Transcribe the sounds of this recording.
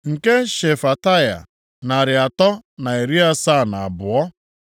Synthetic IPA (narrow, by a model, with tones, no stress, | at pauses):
ŋ̩˨ke˦ʃe˨fa˨ta˦˨ja̰˨ | na˨ɾɪ˨a˨tɔ˦na˨e˨ɾi˦a˦saː˦˨na˨a˨bʊ˨ɔ˦